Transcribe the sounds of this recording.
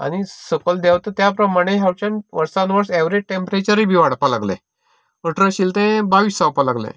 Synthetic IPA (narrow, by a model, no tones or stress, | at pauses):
a̰ɽ̃isəkəld̪ɛʋt̪ət̪japɾəmaɽ̃ẽɦjawt͡ɕãnʋəɾsãnʋəɾseʋɾeʈẽmpɾet͡ɕəɾibʱiʋaɽpalaɡlɛ̰ | əʈɾəɕilt̪ɛ̃baʋisapalaɡlḛ̃